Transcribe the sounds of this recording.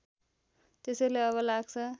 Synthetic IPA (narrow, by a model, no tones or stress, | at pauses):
t̪esʌjleʌβʌlaɡt͡sʰʌ